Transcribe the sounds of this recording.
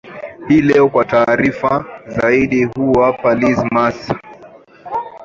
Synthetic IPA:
hiːlɛɔkwataːɾifazaiɗihuwapalizmas

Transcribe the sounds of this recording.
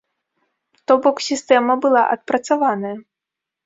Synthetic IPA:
t̪ɔbɔksʲist̪ɛmɐbɨlˠaʔɐ̰t̪̚pɾɐt̪savanɐjɐ

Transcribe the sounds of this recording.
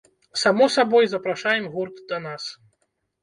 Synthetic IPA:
samɔsabɔjzɐpɾaʂajɛmɣurt̪d̪ɐnas

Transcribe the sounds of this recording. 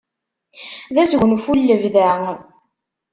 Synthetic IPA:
ðæsʝʷənfulːəvðæ

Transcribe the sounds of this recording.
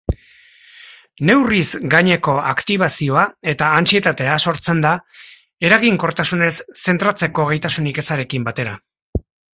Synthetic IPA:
ne̞wrizɡaɲe̞ko̞akt̪iβ̞asio̞ae̞t̪aːnt͡sie̞t̪at̪e̞aso̞ɾt͡se̞nd̪a | e̞ɾaɣiŋko̞ɾt̪asune̞sːe̞nt̪ɾat͡se̞ko̞ɣ̞e̞jt̪asunike̞saɾe̞kimbat̪e̞ɾa

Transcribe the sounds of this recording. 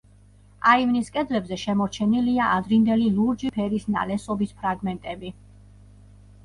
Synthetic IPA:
aivniskʼɛd̪lɛbzɛʃɛmɔɾt͡ʃʰɛniliaʔad̪ɾind̪ɛliluɾd͡ʒipʰɛɾisna̰lɛsɔbispʰɾaɡmɛnt̪ʼɛbi

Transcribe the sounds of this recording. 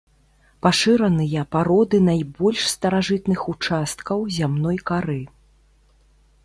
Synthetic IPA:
paʂɨɾɐnɨjɐpaɾɔd̪ɨnajbɔlʲʂst̪ɐɾaʐɨt̪nɨxut͡ʂast̪kɐwzʲamnɔjkaɾɨ

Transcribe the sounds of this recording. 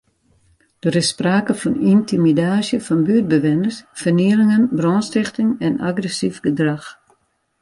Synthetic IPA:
d̥əɾɪsspraːkəfɔnintʰimidaːsjəfɔnbyəd̚bəʋɪnərsfərniəlɪŋənbrɔːnstɪxtɪŋɛna̰ɡrɛsifɡədrax

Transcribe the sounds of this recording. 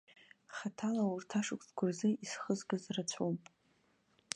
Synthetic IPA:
χatʰalaurtʰaʂʊkʷtɡʷʰazɨisχəzɡazrat͡ɕʷʰopʼ

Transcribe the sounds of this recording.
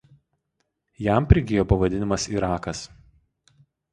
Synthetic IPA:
jæˑmˑpʲɾʲɪɡʲɪjoːpɐʋɐd̪ʲɪnʲɪmɐsiɾɑːkɐs

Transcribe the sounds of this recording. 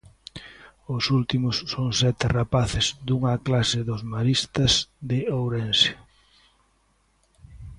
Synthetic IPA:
ʊsult̪imʊsːoŋsɛt̪ɪrapaθɪzd̪uŋɐklasɪðʊzmaɾist̪ɐzðɪowɾɛnsɪ

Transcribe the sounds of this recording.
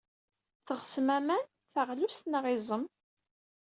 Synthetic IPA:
θəʁsmæmæn | θəʁlust̪nʁɪzˤəm

